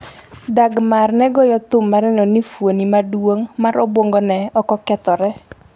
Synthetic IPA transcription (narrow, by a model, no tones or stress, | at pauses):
daɡmarnɛɡɔjɔt̪ʊmːaɾɛnɔnifwonimadwoŋmaɾɔbwoŋɡɔnɛɔkɔkɛt̪ɔɾɛ